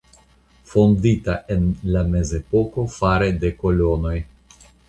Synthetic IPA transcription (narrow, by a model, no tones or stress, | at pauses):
fonditaʔe̞nlame̞ze̞po̞ko̞faɾede̞ko̞lo̞no̞j